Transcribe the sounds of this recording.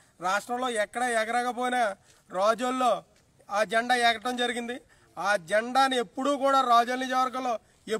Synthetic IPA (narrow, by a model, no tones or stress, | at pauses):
ɾaːʂʈɾɐmlo̞ːɛkːɐɽɐɛːɡɐɾaːkɐp̬oːjnɐ | ɾaːd͡ʒɐlːo̞ː | aːd͡ʒɛɳɖaːɛːkɐʈɐmd͡ʒɐɾiɡind̪i | aːd͡ʒɛɳɖaːnie̞pːuɽuːkuːɽaːɾaːd͡ʒɐlniːd͡ʒɐʋɐɾɡɐlo̞ː | e